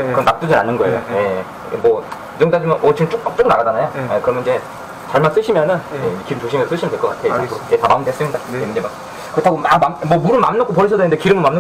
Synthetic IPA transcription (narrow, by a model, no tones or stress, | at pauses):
kɯɾʌmnːak̚t͈ud͡ʑɯnanːɯnɡʌejo̰je | mwʌ | id͡ʑʌŋk͈ad͡ʑimjʌnʌt͡ɕiɯt͡ɕ͈ok̚p͈ak̚t͡ɕ͈oɡɯnaɡad͡ʑanajojekɯɾʌmjnid͡ʑe̞ | t͡ɕaɭmans͈ɯɕʰimjʌnɯnjeekiɾɯmt͡ɕoɕʰimesʰos͈ɯɕʰimʌndwekʌkatʰeoed͡ʑetʰamaɯmndes͈ɯindaejund͡ʑemak | kɯɾʌtʰaɡomamamʌmuɾɯɭma̰mnʌkʰopʌɾit͡ɕʰʌdendekiɾɯmɯmamno